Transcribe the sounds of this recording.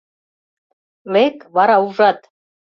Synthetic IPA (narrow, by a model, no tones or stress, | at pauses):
lekʼvaɾauʐat̪ʼ